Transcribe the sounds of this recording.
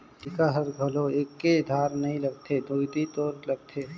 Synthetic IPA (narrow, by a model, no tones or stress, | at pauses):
ɪkaɦəɾɡʱɐloeːkːed̪ʱaːɾnɐɦĩlɐɡt̪ʰed̪ut̪it̪ɔːɾləɡ̚t̪ʰe